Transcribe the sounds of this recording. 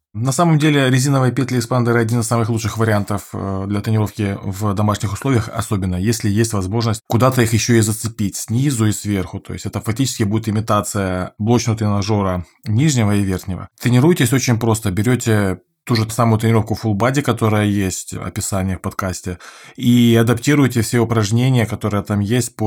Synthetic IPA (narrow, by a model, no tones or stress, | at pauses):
nɐsaməmdʲelʲɪɾʲɪzʲinəvəjəpʲet̪ʲlʲɪspand̪əɾɨɐdʲinɨsamɨxlˠutʂɨxvəɾʲɪant̪əfd̪lʲɐt̪ɾʲɪnʲɪɾo̞fkʲɪvd̪ɐmaʂnʲɪxʊslˠo̞vʲɪjəxɐ̰so̞bʲɪnːəjesʲlʲɪjesʲtʲvɐzmo̞ʐnəsʲt̚ʲkʊd̪at̪əixjɪɕːoizət̪sɨpʲitʲsʲnʲizʊisvʲe̞rxʊt̪o̞jɪsʲɛt̪əfɐk̚tʲit͡ɕɪ̥skʲɪbudʲɪt̪ɪmʲɪt̪at̪sɨjəblˠot͡ɕnət̪ɾʲɪnɐʐo̞ɾə | nʲiʐnʲɪvəivʲerxnʲɪvə̰t̪ɾʲɪnʲɪɾujtʲɪsʲo̞t͡ɕɪnʲpɾo̞st̪əbʲɪɾʲotʲɪ | t̪uʐɨsamʊjʊt̪ɾʲɪnʲɪɾo̞fkʊfʊlˠbadʲɪkɐt̪o̞ɾəjəjesʲtʲɐ̰pʲɪsanʲɪjəfpɐt̪kasʲtʲɪiɐd̪ɐptʲiɾʊjɪtʲɪfsʲeʊpɾɐʐnʲenʲɪjəkɐt̪o̞ɾəjət̪amjesʲt̚ʲp